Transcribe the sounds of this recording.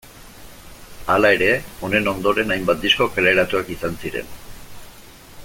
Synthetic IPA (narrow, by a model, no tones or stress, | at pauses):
alae̞ɾe̞o̞ne̞no̞nd̪o̞ɾe̞najmbat̪̚d̪isko̞keleɾat̪uakisansiɾe̞̰n